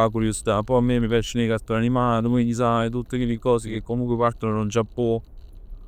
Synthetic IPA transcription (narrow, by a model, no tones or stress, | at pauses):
akuɾjosi̥t̪apːɔjamːemːipjat͡ʃːinejkast̪oɾanimaːt̪̬okiɲːis̬aet̪̬ut̪ːekelːikɔːsekekːomuŋkwepart̪onodaund͡ʒapːɔ